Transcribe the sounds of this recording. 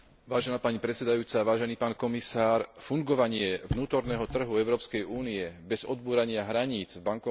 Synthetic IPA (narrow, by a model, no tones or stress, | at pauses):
ʋaːʒɛnaːpaɲipɾɛt͡sɛd̪ajuːt͡saʋaːʒɛniːpaːnkɔmisaːɾfuŋɡɔʋaɲɪɛʋnuːt̪ɔɾnɛːɦɔt̪r̩ɦuɛʊɾɔːpskɛjuːniɛbɛzɔd̪̚buːɾaɲɪaɦɾaɲiːd͡zvbaŋkɔ